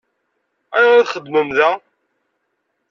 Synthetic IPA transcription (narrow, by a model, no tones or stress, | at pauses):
æjʁaðχəd̪ːməmðæ